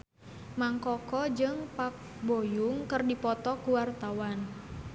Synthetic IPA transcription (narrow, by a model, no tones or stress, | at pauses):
maŋkɔkɔd͡ʒɨŋpak̚ | bojuŋkɨrdipɔt̪ɔkuwart̪awan